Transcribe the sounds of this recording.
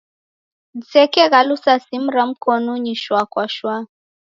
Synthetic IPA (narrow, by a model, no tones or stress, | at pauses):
isɛkɛɣalusasim̩ɾam̩kɔnuɲiʃwakwaʃwa